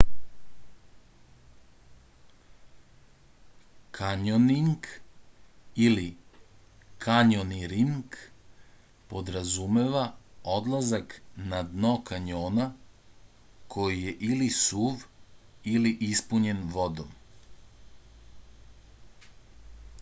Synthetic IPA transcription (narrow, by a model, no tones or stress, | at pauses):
kʰaɲoniŋk | ili | kʰaɲoniɾiŋk | po̞d̪ɾazume̞ʋao̞d̪lˠazaknad̪nokaɲo̞ːna | kʰo̞jije̞ʔilisuːʋ | iliʔispuɲe̞nʋod̪om